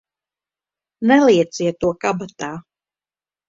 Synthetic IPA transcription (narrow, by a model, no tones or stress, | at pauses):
nɛlˠiɛt̪siɛt̪ːuɔkabat̪aː